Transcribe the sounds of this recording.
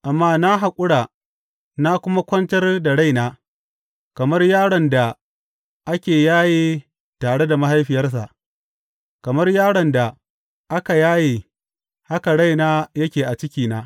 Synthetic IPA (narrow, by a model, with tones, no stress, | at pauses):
ʔa˨mːaː˦na˦ɦa˨kʷʼʊ˦ɽaː˨ | na˦kʷʊ˦ma˦kʷɐ˦ntɐ˦rda˨ɽa˦˨jnaː˦ | kɐ˨mɐ˦rjaː˦ɽɔ˨nda˨ | ʔa˦kʲeː˨jaː˦jeː˦ | taː˨ɽe˦da˨ma˦ɦa˦jɸɪ˨jɐ˦rs̬a̰˨ʔ | kɐ˨mɐ˦rjaː˦ɽɔ˨nda˨ | ʔa˦ka˨jaː˦je˨ | ha˦ka˨ɽa˦jnaː˦jɐ˦kʲeː˨ʔa˨t͡ʃɪ˦kʲiː˨naː˦